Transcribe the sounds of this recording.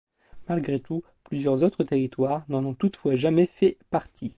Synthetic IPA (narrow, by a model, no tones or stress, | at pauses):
malɡʁet̪u | plyzjœʁzot̪χət̪eʁit̪waʁnɑ̃nɔ̃t̪ut̪fwaʒamɛfɛpaʁt̪ʰi